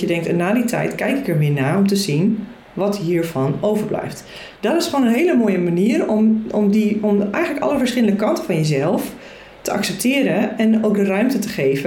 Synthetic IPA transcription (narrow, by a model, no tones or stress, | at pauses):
jədɛŋk̚tɛnaːditʰɛ̰jtkɛjkɪkəɹʋɪənaːɔmtəzin | ʋɔtɦiːɹvɑnowvəɹblɛ̰jft | d̥ɔtɪsχoːnənɦeːləmoːjəmaniərɔmɔmdiɔmɛ̰jxχənləkɑ̰ləfəɹsχɪlˠəndəkɑntəfɑnjəzɛlˠf | təʔɑ̰ksɛp̚tʰɪːɾəɛnowk̚dərœɥmtətəχeːvə